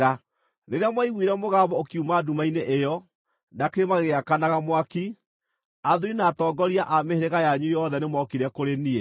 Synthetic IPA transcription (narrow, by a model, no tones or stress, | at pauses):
a | neɾeamwaiɣwiɾɛmoɣaβɔokiumaːdumaineʔejɔ | nakeemaɣeakanaɣamwaki | aðuɾinaːtɔːɡɔɾiaʔameheɾeɣajaɲujɔðɛnemɔkiɾɛkoɾeniɛ